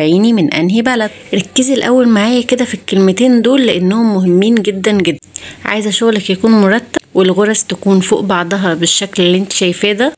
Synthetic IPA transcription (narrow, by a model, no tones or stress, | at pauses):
ʕiːnimenʔæ̰nɦibælæd̪ɾˤɑkːezelʔæ̰wːælmaʕaːjæked̪æfikːelmet̪eːnd̪oːlːeʔenːohomːoɦemːiːnɡed̪ːænɡed̪ːænʕa̰ːjezʔæʃoɣlækjækuːnmoɾˤɑt̪ːæbwelɣoɾˤɑst̪ækuːnfoːʔbɑʕd̪ˤɑɦɑbeʃːæklelːiʔent̪æ̥ʃæjfæːd̪æ